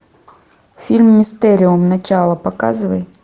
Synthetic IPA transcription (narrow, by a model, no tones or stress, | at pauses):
fʲilʲmːɪst̪ɛɾʲɪʊmnɐt͡ɕalˠəpɐka̰zɨvəjɪt̪